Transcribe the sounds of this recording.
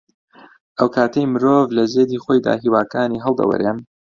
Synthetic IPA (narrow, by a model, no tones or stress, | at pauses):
ʔəwkʰaːt̪ʰejmɨɾoːvlɐzeːd̪iːxoːjd̪a̰ːɦiːwaːkaːniːɦəlˠd̪ɐ̰wɐ̰ɾem